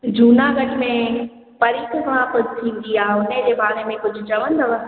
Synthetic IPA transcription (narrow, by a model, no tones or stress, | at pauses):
d͡ʑʱuːnaɡɐʈmẽ | pɐɾiːkkʋãkʊd͡ʑʱt̪ʰĩːnd̪iaːɦeʊned͡ʑeːbaːnemẽkʊd͡ʑʱʊ̆t͡ɕɐʋənd̪ɐʋə